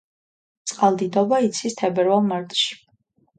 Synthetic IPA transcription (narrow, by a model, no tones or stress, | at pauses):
t̪sʼqʼalˠd̪id̪ɔbait̪sʰist̪ʰɛbɛɾvalˠmaɾt̪ʼʃi̥